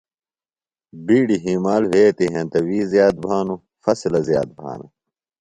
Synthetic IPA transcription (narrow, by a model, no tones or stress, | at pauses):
biːɽiɦiːmaːlweːt̪iɦɐ̃nt̪ɐwiːzjaːd̪̚bʱaːnu | fɐslɐzja̰ːd̪̚bʱa̰ːnɐ̰